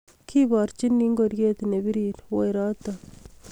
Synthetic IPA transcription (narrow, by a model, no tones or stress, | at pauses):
kʰibaːɾt͡ʃinːiŋɡoɾjet̪inebiɾiɾwojɾaːt̪a